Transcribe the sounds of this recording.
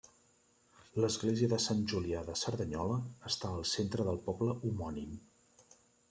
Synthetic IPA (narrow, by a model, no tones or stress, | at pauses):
ləzɣleziəðəsanʒuliaðəsəɾðəɲɔləːst̪aəlˠsent̪ɾəðəlˠpɔbləumɔnim